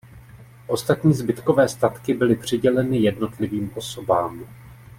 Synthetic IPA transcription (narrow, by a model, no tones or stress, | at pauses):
ʔo̞st̪at̪ɲiːzbɪt̪ko̞vɛːst̪at̪kɪbɪlɪpr̝̥ɪɟɛlɛnɪjɛdno̞t̪lɪviːmʔo̞so̞baːm